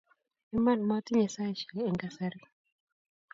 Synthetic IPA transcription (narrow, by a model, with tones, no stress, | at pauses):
ɛ˦ma˦˨nma˦ti˦ɲɛ˨sa˦i˨ʃɛ˨lːŋɡa˦sɛ˦ɾi˦